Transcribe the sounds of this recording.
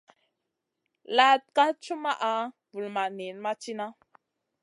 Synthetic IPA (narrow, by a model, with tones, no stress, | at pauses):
la˦t̚ka˦t͡ʃu˦ma˦ʔa˦ | vu˨lma˨ne˨n˦ma˦t͡ʃi˦na˦